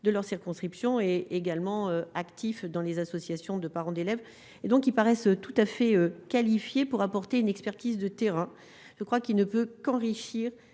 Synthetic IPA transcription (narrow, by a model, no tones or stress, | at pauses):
d̪əlœʁsiʁkɔ̃skχipsjɔ̃eːɡalmɑ̃øakt̪ifd̪ɑ̃lezasɔsjasjɔ̃d̪əpaʁɑ̃d̪elɛv | ed̪ɔ̃kilpaʁɛsøt̪ut̪afɛøkalifjepuʁapɔʁt̪eynɛkspɛʁt̪izd̪ət̪eʁɛ̃ | ʒ̥əkχwakilnəpøkɑ̃ʁiʃiːʁ